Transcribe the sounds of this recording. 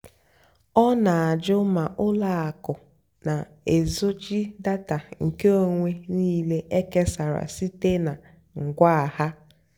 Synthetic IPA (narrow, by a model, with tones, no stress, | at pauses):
ɔ˦na˨a˨d͡ʒʊ˦ma˨ʔʊ˦la˨a˨kʊ˨ | na˨ | e˨zo˦t͡ʃi˦da˦ta˨ŋ̩˨ke˦o˦ŋʷe˦niː˦le˦ʔe˦ke˦sa˨ɾa̰˨si˦te˦na˨ | ŋ̩˨ɡʷa˦a˨ha˦